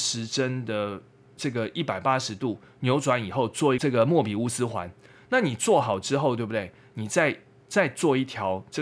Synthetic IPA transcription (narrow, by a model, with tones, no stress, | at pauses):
ʂɻ̩˧˦˥ʈ͡ʂə˥nd̪ə˨ | ʈ͡ʂɤ˥˩ɡə˩ʔi˥˩pa˨˩ɪpa˦˥ʂɻ̩˧˥t̪u˥˩ | njo˧˥ʊʈ͡ʂwa˧˦ni˨˩xo˥˧ʊt͡swɔ˥˩i˧˥ʈ͡ʂɤ˥˩ɡə˩mwɔ˥˩pi˨˩u˥˧sɹ̩˥xwa̰˧˦n | na˥˩ni˨˩t͡swɔ˥˩xɑ˨˩ʊʈ͡ʂɻ̩˥xo˥˧ʊt̪we˥˩bd̪e˥˩ɪ | ni˨˩t͡sa˥˧ɪ | t͡sa˥˧ɪt͡swɔ˥˧i˥˩t̪ʰjɑ˧˥ʊʈ͡ʂə˥˩